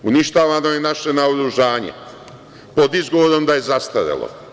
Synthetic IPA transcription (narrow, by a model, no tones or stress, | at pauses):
uniʃt̪aːʋano̞jenaʃe̞naoɾuʒaːɲḛ | po̞d̪izɡo̞ʋoɾo̞md̪aje̞zast̪aʋja̰lˠo̰